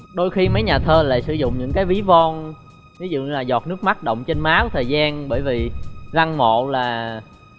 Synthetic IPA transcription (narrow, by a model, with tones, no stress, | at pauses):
ɗo˧jxi˧mə˨˦jɲaː˨˩t̪ʰəː˧la̰ː˧˨jsɨ˧˩zʊ̰˧˨ŋ͡mɲɨ̰˧˥ŋkaː˨˦jvi˨˦vɔ˧n | vi˨˦zṵ˧˨˧laː˨˩zɔ˨˩t̚nɨ˦˥ək̚ma˦˥t̚ɗə̰˧˨wŋ͡mt͡ɕe˧nmaː˨˦kɔ˨˦t̪ʰəː˨˩jzaː˧nɓəː˧˩jvi˨˩la˧ŋmo̰˧˨laː˨˩